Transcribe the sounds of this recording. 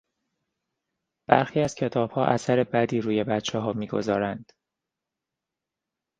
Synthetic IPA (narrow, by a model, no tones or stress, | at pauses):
b̥æ̰ɾxiːæz̥cʰe̞t̪ʰɒːb̥hɒːʔæsæɾe̞bæd̪iːɾuːje̞bæt̪t͡ʃʰɛɦɒːmiːɡo̞̰zɒ̰ːɾænd̪̥